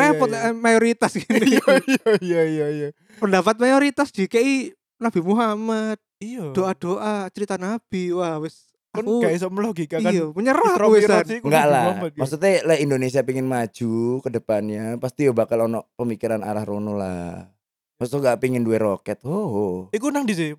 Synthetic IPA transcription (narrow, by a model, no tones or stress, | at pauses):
ɾepɔt̪majoɾit̪asɡiniaijaijaija | pəndapat̪̚majoɾit̪asd̥ikaʔi | nab̥imuɦamat̪̚id̥oʔad̥oʔat͡ʃəɾit̪anab̥iwahwɛs | ankuɡis̬əməloɡikaikaaməɲəɾahɛsaikŋɡaʔlamaksut̪ɛlaindones̬iapiŋɪnmad͡ʒ̥ukədəpanɲapast̪iobakalonɔʔpəmikiɾana̰ɾahɾonula̰ | msoŋɡaʔpiŋɪnduɛɾokɛt̪̚hoɦikunaŋdis̬i